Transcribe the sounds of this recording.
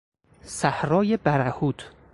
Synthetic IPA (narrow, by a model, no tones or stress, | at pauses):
sæhɾɒːjebæɾæhuːt̪ʰ